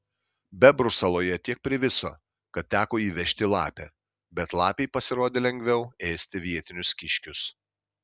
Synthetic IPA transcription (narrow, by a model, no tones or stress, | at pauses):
bʲɛbɾʊsɛlˠoːjɛt̪ʲiɛk̚pʲɾʲɪʋʲɪso̰ː | kɐt̪t̪ʲæːkoːiːʋʲɛʃʲt̪ʲɪlˠɑ̰ːpʲɛː | bʲɛt̪lˠɑːpʲeɪpɐsʲɪɾoːd̪ʲeːlʲɛŋʲɡʲʋʲɛʊeːsʲt̪ʲɪʋʲiɛt̪ʲɪnʲʊskʲɪʃʲkʲʊs